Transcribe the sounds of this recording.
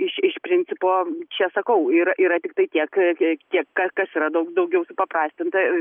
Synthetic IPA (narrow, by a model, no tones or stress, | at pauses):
ɪʃɪʃpʲɾʲɪnʲt͡sʲɪpoːt͡ʃʲɛsɐkɐʊiːɾɐʔiːɾɐt̪ʲɪk̚t̪ɐɪt̪ʲiɛkt̪ʲiɛkkɐkɐsiːɾɐd̪ɐʊd̪ɐʊɡʲɛʊsʊpɐpɾɑːsʲt̪ʲɪnt̪ɐ